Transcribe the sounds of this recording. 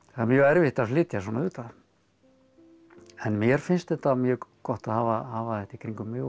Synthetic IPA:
amjœːɛɾvɪht̪aflɪːt̪jas̬ɔːnayːt̪að | ɛnmjɛɾ̥fɪnst̪ɛt̪amjœːkɔht̪ahaːvahaːvaθɛht̪ikʰɾiŋkʏmːjœ

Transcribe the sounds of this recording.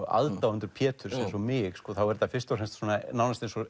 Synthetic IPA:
ʔa̰lt̪awʏnt̪ʏɾpʰjɛːt̪ʰʏɾsɛmsɔmɪkskɔːθawvɛɾt̪ːafɪrst̪awɾhɛnst̪sɔːnanawnast̪ejnsɔ

